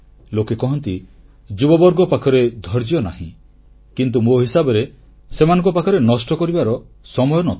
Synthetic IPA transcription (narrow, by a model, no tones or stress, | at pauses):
lokekɔɦɔnt̪i | d͡ʒubɔbɔɾɡɔpakʰɔɾed̪ʱɔɾd͡ʒiɔna̰ɦḭ̃ | kint̪̬umoɦisabɔɾe | semanɔ̃ŋkɔpakʰɔɾenɔsʈɔkɔɾibaɾɔ | sɔmɔjɔnɔt̪